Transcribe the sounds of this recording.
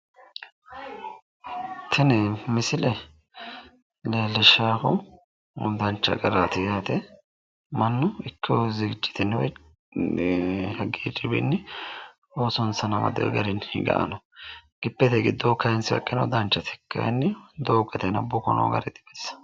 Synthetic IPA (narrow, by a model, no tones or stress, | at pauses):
t̪ʰɛnɛmɪsɪlɛ | leːlːɪʃaːkɔ | d̪ɐnt͡ʃːɐ̰ɡʼɐɾat̪ɪjaːt̪ɛ | mɐnːʊɪkʰːɔzɪɡt͡ʃʼːɪ̥t̪ɪnːwɔj | hɐɡiːt͡ʃʼːɪbɪ̰nːɪ | oːsɔnsɐnɐmɐ̰d̪ɛ̰ɡɐɾɪnhɪɡɐ̰ʔɐ̰nɔɡ̥ɪpːɛt̪ɛɡɪd̪ːoːkːɐjɛnsɪɐ̰kʼːɪnɐwd̪ɐnt͡ʃːɐt̪ʰɛ̥kʰːɐ̰j̰nːɪd̪oːkʼːɛt̪ɛnɐbːʊkɔno̰ːɡɐ̰ɾɛt̪ːɪ̥b̥ɛsː